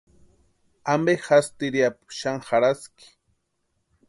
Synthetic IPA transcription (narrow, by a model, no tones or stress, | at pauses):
ambexast̪ɪɾijapʃaŋxaɾaskɪ̥